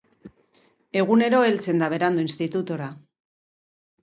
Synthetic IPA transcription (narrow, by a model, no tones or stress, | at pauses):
e̞ɣ̞une̞ɾo̞e̞lt͡se̞nd̪aβe̞ɾand̪oinst̪it̪ut̪oɾa